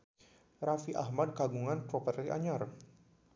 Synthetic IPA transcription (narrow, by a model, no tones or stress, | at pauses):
rafiʔahmad̚kaɡuŋanpɾɔpɛrliʔa̰ɲar